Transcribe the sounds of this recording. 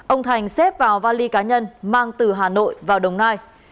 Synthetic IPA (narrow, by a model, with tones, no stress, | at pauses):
ʔə˧wŋ͡mt̪ʰa˨˩jŋ̟sɛ˦˥p̚vaː˨˩wvaː˧li˧kaː˨˦ɲə˧nmaː˧ŋt̪ɨ˨˩ɦaː˨˩no̰˧˨jvaː˨˩wɗə˨˩wŋ͡mnaː˧j